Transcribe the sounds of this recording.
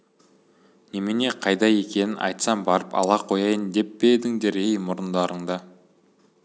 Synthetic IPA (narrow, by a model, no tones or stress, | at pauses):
nemene̞qʰɑjd̪ɑje̞kʲe̞nɪnʔɑ̰jt̪sɑmbɑɾəpɑ̰lˠɑqʰo̞jɑjənd̪e̞pːed̪ɪŋd̪eɾejmʊɾənd̪ɑɾəɴd̪ɑ